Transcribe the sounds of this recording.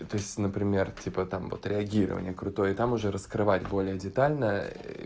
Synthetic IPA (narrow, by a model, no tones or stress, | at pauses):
t̪oɪsʲtʲnəpɾʲɪmʲe̞rtʲipət̪amvo̞̰t̪ɾʲɪɐɡʲiɾə̰və̰nʲɪjəkɾʊt̪o̞jət̪amʊʐɛɾəskɾɨvatʲbo̞lʲɪjədʲɪt̪alʲnə